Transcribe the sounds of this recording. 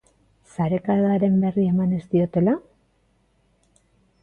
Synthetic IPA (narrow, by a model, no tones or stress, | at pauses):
saɾe̞kaɣaɾe̞mbe̞rie̞mane̞st̪io̞t̪ela